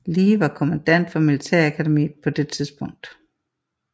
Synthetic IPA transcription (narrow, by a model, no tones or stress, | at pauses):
liːʋɑ̈kʰo̝mænd̥æn̰d̥fɒ̽milit͡sʰɛɐ̰ækʰædemḭːð̩ˠpʰɒ̽d̥e̝t͡sʰiðˠsb̥ɔ̽ŋ̰d̥